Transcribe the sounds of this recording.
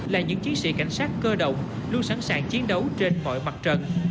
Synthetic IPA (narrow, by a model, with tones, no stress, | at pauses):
laː˨˩ɲɨ̰˧˥ŋt͡ɕi˨˦ənsḭ˧˨ka̰˧˩jŋ̟saː˦˥t̚kəː˧ɗə̰˧˨wŋ͡m | lu˧ənsa˧˩nsaː˧˨˩ŋt͡ɕi˨˦ənɗə˨˦wt͡ɕe˧nmɔ̰˧˨jma˨˩t̚t͡ɕə˨˩n